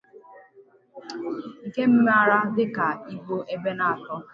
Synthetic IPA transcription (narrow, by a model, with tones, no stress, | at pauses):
ŋ̩˨ke˦m̩˦me˦a˨ɾa˦dɪ˦ka˨i˦ɡ͡bo˦ʔe˦be˦na˨a˨tɔ˦